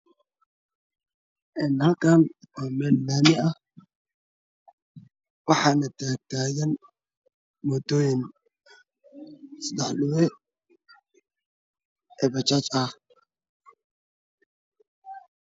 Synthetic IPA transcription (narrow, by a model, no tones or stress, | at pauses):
ʔɛnhɐlkʰɐn | ɔːmɛːlːaːmɪɐ | wɑħɑːnɐt̪ʰaːk̚t̪ʰaːjɐn | mɔd̪ɔːjɪn | sɐd̪ɛħɗʊwɛ | ɛβɐt͡ʃat͡ʃɐh